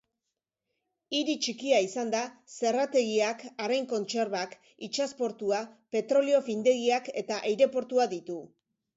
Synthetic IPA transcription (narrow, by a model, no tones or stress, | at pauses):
iɾit͡ʃikiaisand̪ase̞rat̪e̞ɣiakaɾejŋko̞nt͡ʃe̞ɾβak | it͡ʃaspo̞ɾt̪uape̞t̪ɾo̞lio̞find̪e̞ɣiake̞t̪aʔejɾe̞po̞ɾt̪uaðit̪u